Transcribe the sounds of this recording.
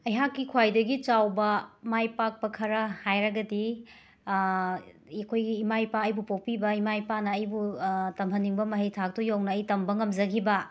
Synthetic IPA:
ɐjɦakːikʰwajdɐɡit͡ʃawbɐmajpak̚pɐkʰɐɾɐhajɾɐɡɐdi | ɐkʰojɡiːmajpaɐjbupopibɐimajpanɐːjbutɐmʰɐniŋbɐmɐɦɐjtʰak̚tɔjawnɐːjtɐmbɐŋɐmd͡ʒɐɡibɐ

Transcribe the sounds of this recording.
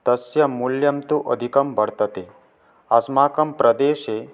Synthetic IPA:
t̪ɐsjɐmuljɐmt̪uʔəd̪ʱikɐmbʱɐɽt̪ɐt̪e | ɐsmaːkɐmpɾɐd̪eːʃe

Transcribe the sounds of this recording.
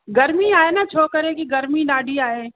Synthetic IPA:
ɡɐɾmiaːenat͡ʃʰoːkəɾẽkiɡɐɾmiɖaːɖʱiaːeː

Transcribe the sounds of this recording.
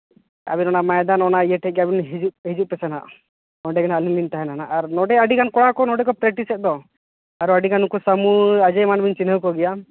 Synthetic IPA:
a̰binɔnamajd̪anɔnajɛʈʰɛɡɛabinɦid͡ʒuʔɦid͡ʒuʔ̚pɛsanaʔ | ɔɖɛɡanalilinʈaɦɛnanaʔaɾnɔɖɛaɖikankɔɽakɔnɔɖɛkɔpɾɛʈisɛt̪̚d̪ɔ | aɾuaɖikanukusamuad͡ʒajmanbiɲt͡ʃinəwkɔɡɛja

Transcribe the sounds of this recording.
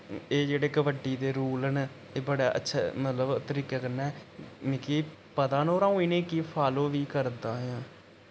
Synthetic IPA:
eːd͡ʒeːɽeːkəbəʈːiːd̪eːɾuːlən | eːbəɽa̰ːʔə̰tːʃʰaːmət̪ləbt̪əɾiːkɛːkənɛːmĩːkiː | pət̪ãːnoːɾãːũiːnẽːkiːpʰaːloːʋiːkəɾd̪aːɦãː

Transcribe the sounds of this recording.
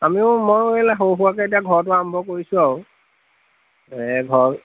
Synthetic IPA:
amiʊmojelaɦowɦuwakɛetijaɡʱɔɹɔt̬ʊambʱɔkoɹisʊaw | ɛɡʱɔɹ

